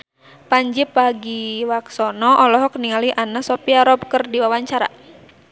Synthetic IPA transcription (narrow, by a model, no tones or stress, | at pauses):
paɲd͡ʒɪpːaɡiwaksɔnɔʔɔlɔɦɔkniŋaliʔanasɔpiaɾɔb̚kərdiwawaɲt͡ʃaɾa̰